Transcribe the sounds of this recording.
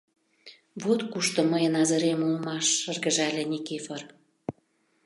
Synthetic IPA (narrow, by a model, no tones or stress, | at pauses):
βot̪kuʃt̪ŏməjə̆nɑzɤ̆ɾemulmɑʃːərɣə̆ʒælʲenʲikefɤr